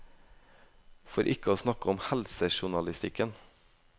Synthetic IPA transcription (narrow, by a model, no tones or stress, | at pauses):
foɾʔɪkəoːsnɑkəɔmhælsəʃʊɳɑlɪst̪ɪkən